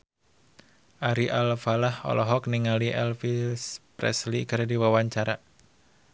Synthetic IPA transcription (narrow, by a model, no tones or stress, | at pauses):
ʔaɾiʔalfalahɔ̰lʔɔɦɔk̚niŋaliʔɛlfispɾɛ̰slikɨɾdiwawaɲt͡ʃaɾa